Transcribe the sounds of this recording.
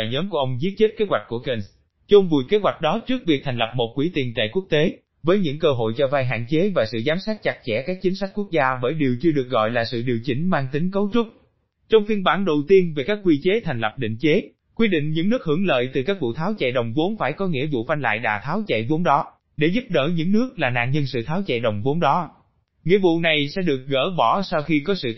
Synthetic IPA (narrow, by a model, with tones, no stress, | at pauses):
jɲəː˨˦mku˧˩əʔə˧wŋ͡mzi˦˥ət̚t͡ɕe˦˥t̚ke˨˦˥hwa˨˩k̟̚ku˧˩əke˧n | t͡ɕʊ˧ŋ͡mvṵ˨˩jke˨˦˥t̚wa˨˩k̟̚ɗɔ˨˦t͡ɕɨ˦˥ək̚vi˨˩k̚t̪ʰɛ˨˩ŋ̟lə˨˩p̚mo˨˩t̚kwi˧˩˦t̪i˨˩ənt͡ɕa̰ː˧˨jku˦˥ək̚t̪e˨˦ | vəː˨˦jɲɨ̰˧˥ŋkəː˧ɦo̰˧˨jt͡ɕɔ˧vaː˧jɦa̰ː˧˨nt͡ɕe˨˦vaː˨˩sɨ̰˧˨zaː˨˦msaː˦˥t̚t͡ɕa˨˩k̚t͡ɕɛ̰˧˩kaː˦˥k̚t͡ɕi˨˦ŋ̟sa˦˥k̟̚ku˦˥k̚zaː˧vəː˧˩jɗi˨˩əwt͡ɕɨ˧əɗɨ˨˩ək̚ɣɔ̰˧˨jlaː˨˩sɨ̰˧˨ɗi˨˩əwt͡ɕï˨˦ŋ̟maː˧ŋt̪ï˨˦ŋ̟kə˨˦wt͡ɕʊ˦˥k͡p̚ | t͡ɕɔ˧wŋ͡mfi˧ənɓaː˧˩nɗə˨˩wt̪i˧ənve˨˩kaː˦˥k̚ːwi˧t͡ɕe˨˦t̪ʰɛ˨˩ŋ̟lə˨˩p̚ɗḭ˧˨ŋ̟t͡ɕe˨˦ | kwi˧ɗḭ̈˧˨ŋ̟ɲɨ̰˧˥ŋnɨ˦˥ək̚hɨ˧˩əŋlə̰ː˧˨jt̪ɨ˨˩kaː˦˥k̚vṵ˧˨t̪ʰaː˨˦wt͡ɕa̰˧˨jɗə˨˩wŋ͡mvo˨˦nfaː˧˩jkɔ˨˦ŋḭ˧˥əvṵ˧˨fa˧jŋ̟la̰ː˧˨jɗa̰ː˨˩t̪ʰaː˨˦wt͡ɕa̰˧˨jvo˨˦nɗɔ˨˦ | ɗe˧˩zu˦˥p̚ɗə̰ː˧˩ɲɨ̰˧˥ŋnɨ˦˥ək̚laː˨˩na̰ː˧˨nɲə˧nsɨ̰˧˨t̪ʰaː˨˦wt͡ɕɛ̰˧˨jɗə˨˩wŋ͡mvo˨˦nɗɔ˨˦ | ŋḭ˧˥əvṵ˧˨na˨˩jsɛ̰˧˥ɗɨ˨˩ək̚ɣə̰ː˧˩ɓɔ˧˩sa˧wxi˧kɔ˨˦sɨ̰˧˨